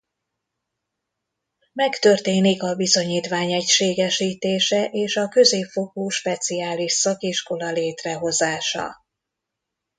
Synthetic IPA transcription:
mɛkt̪ø̞rt̪eːnikɒbizo̞ɲiːt̪ʋaːɲɛcʃeːɡɛʃiːt̪eːʃɛʔeːʃɒkø̞zeːpfo̞kuːʃpɛt̪siaːliʃsɒkiʃko̞lɒleːt̪rɛɦo̞zaːʃɒ̰

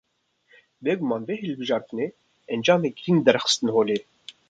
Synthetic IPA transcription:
veːɡumɑːnveːɦɨlbɨʒɑːɾt̪ʰɨneː | ɛnd͡ʒɑːmeɡɾind̪ɛɾxə̥st̪ɨnhoːleː

